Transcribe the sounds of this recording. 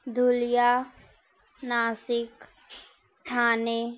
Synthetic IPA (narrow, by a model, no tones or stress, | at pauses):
d̪ʱulija | naːsɪk | ʈ̪ʰaːne